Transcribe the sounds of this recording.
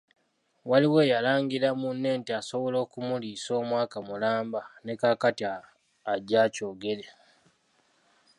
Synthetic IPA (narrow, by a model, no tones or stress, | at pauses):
waliwe̞ːjalaːŋɡiɾamunːe̞ːntiaso̞βolo̞ːkumuliːso̞ːmwaːkamulaːmbane̞kaːkatiaː | ɟːaːco̞ːɡe̞ɾe̞